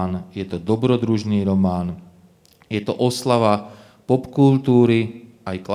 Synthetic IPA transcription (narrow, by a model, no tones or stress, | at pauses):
njɛt̪ɔd̪ɔbɾɔd̪ɾuʒniːɾɔmaːn | jɛt̪ɔʔɔslaʋa | pɔpkult̪uːɾi | ajkl